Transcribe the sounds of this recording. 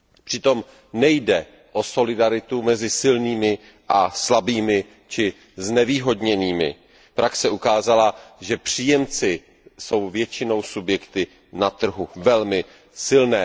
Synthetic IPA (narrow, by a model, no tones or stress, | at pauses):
pr̥ɪt̪o̞m | nɛjdɛ | ʔo̞so̞lɪdaɾɪt̪umɛzɪsɪlniːmɪ | ʔaslabiːmɪ | t͡ʃɪ | znɛviːɦo̞dɲɛniːmɪ̰ | pɾaksɛʔukaːzalaʒɛpr̝̥iːjɛmt͡sɪ | so̞wvjɛt͡ʃɪno̞wsubjɛkt̪ɪ | nat̪r̩ɦuvɛlmɪ | sɪlnɛː